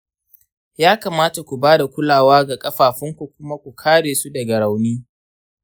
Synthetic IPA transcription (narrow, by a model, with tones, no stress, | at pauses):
jaː˦kaː˨maː˦ta˨kʷu˨baː˦da˨kʷʊ˦laː˨waː˦ɡa˨kʼɐ˦ɸaː˨ɸɪ˦ŋkʷu˨kʷʊ˦ma˦kʷu˨kʰaː˦ɽeː˨su˦dɐ˨ɡɐ˨ɽa˨wniː˦